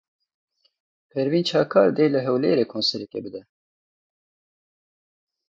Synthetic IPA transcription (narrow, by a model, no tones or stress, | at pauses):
pʰɛɾviːnt͡ʃʰɑːkʰɑːɾd̪eːlɨɦɛwlḛːɾeːkʰoːnsɛɾɛkɛ̰bɨd̪ɛ